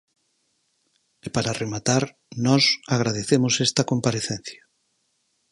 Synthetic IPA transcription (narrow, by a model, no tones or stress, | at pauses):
epaɾaremat̪aɾ | nɔsaɣ̞ɾað̞eθemosest̪ɐkompaɾeθen̟θjɐ